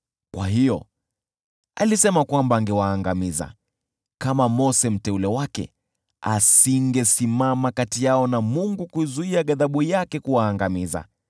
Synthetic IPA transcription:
kwa̰hijɔ̰ | alisɛmakwambaːŋɡɛwaːŋɡamiza̰ | kamamɔsɛm̩tɛulɛwakɛ̰ | asiŋɡɛsimamakatijaɔnamuŋɡukuzuiaɠaðaɓujakɛkuwaːŋɡamiza̰

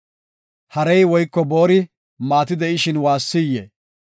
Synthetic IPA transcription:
hɐɾɛjwɔjkːɔbo̞ːɾɪ | maːt̪ɪd̪ɛʔɪʃɪnwaːsːɪjːḛ

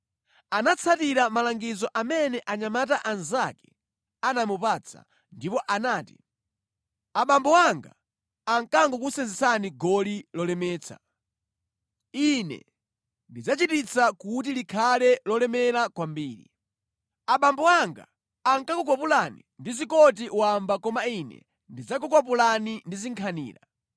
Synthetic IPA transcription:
anat͡sʰatiɾamalaŋɡizɔʔamɛnɛʔaɲamataʔanzakɛ̥ | anamupat͡sʰa̰ | ndipɔʔanaːtḭ | aɓambɔwaŋɡa̰ | aŋkaŋɡɔkusɛnzɛsaniɡɔlilɔlɛmɛːt͡sʰa̰ | inɛ̰ | ndid͡zat͡ʃitit͡sakut̬ilikʰalɛlɔlɛmɛɾakwambiːɾḭ | aɓambɔaŋɡa̰ː | ŋkakukwapulanindizikɔt̬iʔuwambakɔmainɛ̰ | ndid͡zak̬ukwap̬ulanindiziŋkʰanḭːla̰

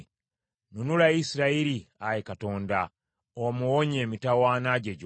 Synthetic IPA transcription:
nunulaisiɾaiɾiajekato̞ːnda | omuwoɲe̞ːmitawaːnaɟeɟ

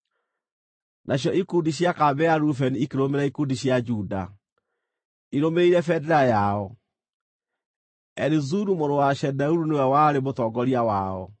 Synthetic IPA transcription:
nʔaɕjɔʔikundiɕjakabɛaɾufɛniikeɾomeɾaikudiɕjad͡ʒuda̰ | iɾomeiɾɛfɛdɛɾajaɔ | ɛɾizuɾumoɾowaʃɛdauɾunewɛwaɾemotɔɡɔɾiawaɔ̰

